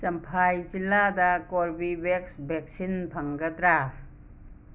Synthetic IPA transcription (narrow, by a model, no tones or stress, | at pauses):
sɐmpʰajd͡ʒiladɐkoɾbibeksbek̚sinpʰɐŋɡɐdɾa